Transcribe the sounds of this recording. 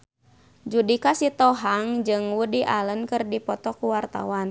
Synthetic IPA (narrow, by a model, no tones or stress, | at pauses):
d͡ʒudikasit̪ɔɦaŋd͡ʒɨŋwudiʔalənkɨrdipɔt̪ɔkuwart̪a̰wan